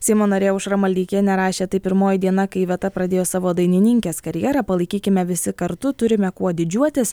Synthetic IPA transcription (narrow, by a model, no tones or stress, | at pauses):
sʲɛɪmoːnɐɾʲeːʊʃɾɐmɐlʲd̪ʲiːkʲeːnʲɛɾɑːʃʲeːt̪ɐɪpʲɪɾmoːjɪd̪ʲiɛnɐkɐɪʋʲɛt̪ɐpɾɐd̪ʲeːjoːsɑːʋoːd̪ɐɪnʲɪnʲɪŋʲkʲeːskɐɾʲjɛɾɑpɐlˠɐɪkʲiːkʲɪmʲɛʋʲɪsʲɪkɐɾt̪ʊt̪ʊɾʲɪmʲɛkuɔd̪ʲɪd͡ʒʲuɔt̪ʲɪs